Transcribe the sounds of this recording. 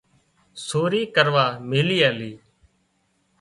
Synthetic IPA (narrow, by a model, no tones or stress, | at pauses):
soːɾiːkəɾʋaːmeːliːaːliː